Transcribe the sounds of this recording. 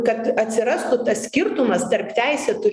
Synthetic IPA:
kɐt̪ɐt̪ʲsʲɪɾɐst̪ʊt̪ɐssʲkʲɪɾt̪ʊmɐst̪ɐɾpʲt̪ʲæɪsʲɛt̪ʊ

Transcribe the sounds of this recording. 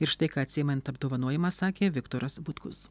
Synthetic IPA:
ɪɾʃt̪ɐɪkɑːɐt̪ʲsʲɪjmʲɛnt̪ɐbd̪oɔʋɐnuɔjʲɪmɑːsɑːkʲeːʋʲɪkt̪oːɾɐsbʊt̪kʊs

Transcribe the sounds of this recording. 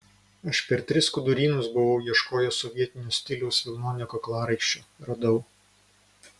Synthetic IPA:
ɐʃpʲɛɾt̪ʲɾʲɪskʊd̪ʊɾʲiːnʊsbʊʋɐʊjiɛʃkoːjosɔʋʲiɛt̪ʲɪnʲuːsʲt̪ʲɪlʲɛʊsʋʲɪlˠnoːnʲɪkoklˠɑːɾɐɪkʃʲt͡ʃʲoːɾɐd̪ɐʊ

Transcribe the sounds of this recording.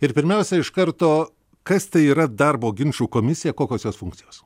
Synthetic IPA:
ɪɾpʲɪɾʲmʲɛʊsʲɛɪʃkɐɾt̪oː | kɐst̪ɐɪiːɾɐd̪ɐɾboːɡʲɪnʲt͡ʃuːkoːmʲɪsʲɪjɛkoːkʲoːsjoːsfʊŋk̚t̪sʲɪjoːs

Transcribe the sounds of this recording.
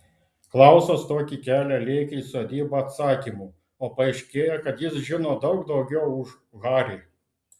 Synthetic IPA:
klˠɑˑʊsoːst̪oːkʲikʲæːlʲælʲɛɪkʲɛɪsoːd̪ʲiːbɐɐt̪sɑːkʲiːmuː | oːpɐɐɪʃʲkʲeːjɛkɐt̪jɪsʒʲɪnoːd̪ɒʊɡd̪ɒʊɡʲɛʊʊʃ | ɣɑːɾʲe

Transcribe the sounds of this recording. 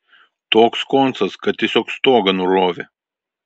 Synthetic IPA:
t̪oːkskont̪sɐskɐt̪t̪ʲiɛsʲoːkst̪oːɡɐnʊɾoːʋʲe

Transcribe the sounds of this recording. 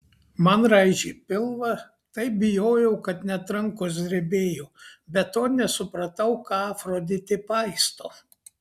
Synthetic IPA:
mɐnɾɐɪʒʲipʲɪlˠʋɐ | t̪ɐɪp̚bʲɪjoːjɛʊkɐt̪nʲɛt̪ɾɐŋkoːs̬d̪ʲɾʲɛbʲeːjoːbʲɛt̪ːoːnʲɛsʊpɾɐt̪ɐʊkɑːfɾoːd̪ʲɪt̪ʲɪpɐɪst̪oː

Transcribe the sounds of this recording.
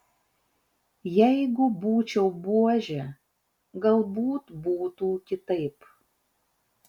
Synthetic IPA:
jɛɪɡʊbuːt͡ʃʲɛʊbuɔʒʲɛ | ɡɐlˠbuːt̪buːt̪uːkʲɪt̪ɐɪp

